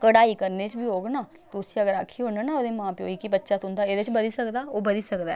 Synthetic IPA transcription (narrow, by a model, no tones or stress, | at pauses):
kəɽaːiːkəɾneːt͡ʃbʱiːɦoːɡnaː | t̪oʊsiəɡəɾakʰiːɦoːɳaːnaod̪eːmãːpeo̰ːikibətːʃaːt̪ʊ̃nd̪aːeːd̪et͡ʃbəd̪iːsəkd̪aːoːbəd̪iːsəkd̪aː